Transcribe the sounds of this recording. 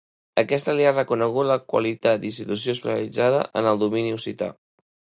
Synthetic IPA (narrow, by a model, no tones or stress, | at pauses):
əkɛst̪əliarəkunəɣ̞ut̪ləkwə̰lit̪at̪̚d̪inst̪it̪us̬iospəsə̰lid͡zað̞ə̰ʔə̰nəlˠd̪uminiusit̪a̰